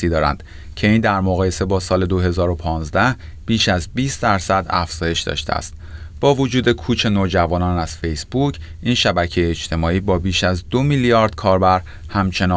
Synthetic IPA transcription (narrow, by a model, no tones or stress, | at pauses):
iːd̪ɒːɾæ̰nd̪̥ | cʰe̞iːnd̪æɾmoɣɒːje̞se̞bɒːsɒːle̞d̪oɦe̞zɒːɾo̞pʰɒːnzd̪æh | b̥iːʃæzbiːst̪̚d̪æɾsæd̪æ̰fz̥ɒːje̞ʃd̪ɒ̰ʃt̪eæ̰st̪̚ | b̥ɒːvod͡ʒuːd̪e̞kʰuːt͡ʃʰe̞noːd͡ʒævɒːnɒːnæz̥fe̞jsb̥ucʰ | ʔiːnʃæbæcʰe̞jeːt͡ʃt̪ʰe̞mɒːiːbɒːbiːʃæzd̪o̞miljɒːɾd̪̥̚kʰɒːɾbæɾ | hæmt͡ʃʰe̞nɒ